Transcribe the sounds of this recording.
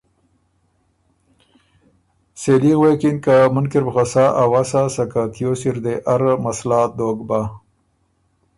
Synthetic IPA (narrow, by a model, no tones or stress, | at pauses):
seliɣwekinkamʊnkiɾbəxasaʔawasasakak̪ijosiɾd̪eʔaɾmaslaːd̪oːɡba